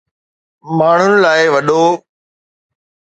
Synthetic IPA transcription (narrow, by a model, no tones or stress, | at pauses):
maːɳ̤ʊnɪlaːɪʋɐɗoː